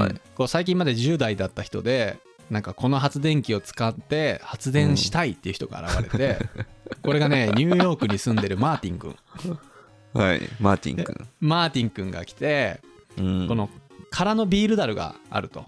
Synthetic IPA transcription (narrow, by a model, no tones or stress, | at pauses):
ko̞ːsaik̬ʲĩmːad̪e̞ʑɨːd̪aid̪at̪ːaçi̥t̪o̞d̪e̞ | nãŋkako̞no̞ɦat͡sɨd̪ẽ̞ŋkʲio̞t͡sɨ̥kat̪ːe̞hat͡sɨd̪ẽ̞ɰ̃ɕi̥t̪ait̪ːe̞iɯ̟çit̪o̞ɡa̰ːɾa̰βa̰e̞t̪e̞ko̞ɾe̞ɡane̞ɲ̟ɨːjo̞ːkɯ̟ɲ̟isɨ̃nd̪e̞ɾɯ̟maːt̪ʲĩŋkɯ̟̰̃ŋ | ha̰ḭmaːt̪ʲḭ̃ŋkɯ̟̰̃maːt̪ʲĩŋkɯ̟̃ŋɡa̰kʲi̥t̪e̞ | ko̞no̞kʰaɾano̞bʲiːɾɯ̟d̪aɾɯ̟ɡa̰a̰ɾɯ̟t̪o̞